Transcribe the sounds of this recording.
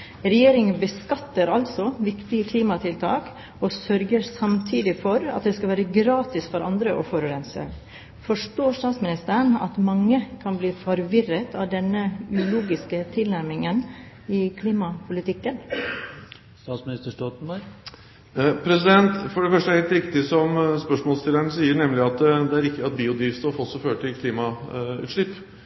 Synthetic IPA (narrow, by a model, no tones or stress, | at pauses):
ɾɛjeːɾɪŋəbəskɑt̪ːəɾɑlt̪sɔʋɪkt̪ɪəkʰliːmɑt̪ʰɪlt̪ʰɑːk | ɔsœɾɡəɾsɑmt̪ʰiːd̪ɪfɔɾɑ̰t̪̚d̪ɛskɑʋæːɾəɡɾɑːt̪ɪsfɔɾɑnd̪ɾəʔɔ̰fɔɾʉɾɛnsə̰ | fɔʂʈoːʂt̪ɑːt̪smɪnɪst̪əɾəɳɑ̰t̪mɑŋːəkʰɑnbliːfɔɾʋɪrət̪ʰɑːʋd̪ɛnːəʉluːɡɪskət̪ʰɪlnæɾmɪŋən | ɪkʰliːmɑpʰʊlɪt̪ʰɪkːən | st̪ɑːt̪smɪnɪst̪əʂʈɔt̪n̩bɑɾɡ | pʰɾɛsɪd̪ɛnt̪fɔɖɛfœʂʈəhɛːlt̪ɾɪkt̪ɪsɔmspœʂmɔːlst̪ɪləɳəsiːəɳɛmlɪɑt̪d̪ɛæɾɪkt̪ɪɑt̪̚biːʊd̪ɾiːfst̪ofɔsːɔføːʈʰɪlkʰliːmɑ | ʉ̰t̪ʂɭɪpː